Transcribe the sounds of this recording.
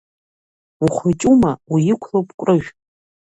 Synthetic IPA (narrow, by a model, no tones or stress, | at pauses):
uχʷat͡ʃʼumawijɪkʷʰlowpʼkʷʼrɨʒᶣ